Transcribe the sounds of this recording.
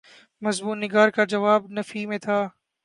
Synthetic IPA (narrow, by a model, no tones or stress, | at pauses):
mɐzmuːnːɪɡaːɾkad͡ʒɐʋaːbnɐfimẽt̪ʰaː